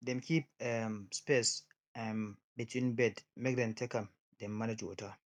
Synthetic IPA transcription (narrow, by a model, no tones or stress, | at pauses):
dɛmkʰip̚ɛmspes | an | bitʰwĩnbɛdmɛɡdãntʰɛkam | dɛmːaned͡ʒwɔ̰ta